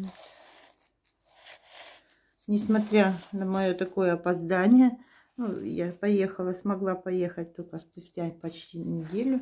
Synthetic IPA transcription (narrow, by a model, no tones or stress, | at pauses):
nʲɪsmɐt̪ɾʲanəmɐjo̞t̪ɐko̞jəɐpɐzd̪anʲɪjə | nujapɐjexəlˠəsmɐɡlˠapɐje̞xət̚ʲt̪olʲkəspʊsʲtʲapɐt͡ɕtʲinʲɪdʲelʲʊ